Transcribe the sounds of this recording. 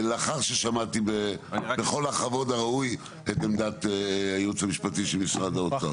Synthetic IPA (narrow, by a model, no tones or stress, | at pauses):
leaχaʁʃeʃamat̪ibebeχo̞laχavo̞daʁauj | etemd̪at̪eajut͡samiʃpatiʃelmisʁadaot͡sa